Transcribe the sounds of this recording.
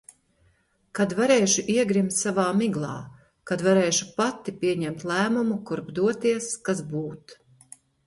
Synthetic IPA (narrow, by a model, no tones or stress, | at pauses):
kad̪vaɾeːʃuʔiɛɡɾimt̪savaːmiɡlˠɑ̰ː | kad̪vaɾɛːʃupat̪ːipʲiɛɲɛmt̪lˠæːmumukuɾbd̪uɔt̪iɛskazbuːt̪